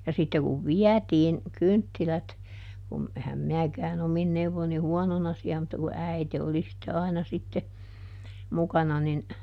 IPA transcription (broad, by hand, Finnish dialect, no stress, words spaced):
jɑ sitːe kuʋ ʋiætiːn kyntːilæt kum ehæm minækæːn omin neuʋːon̆ ni huɔnonɑ siæ mutːɑ ku æite oli sitːe ɑinɑ sitːe mukɑnɑ nin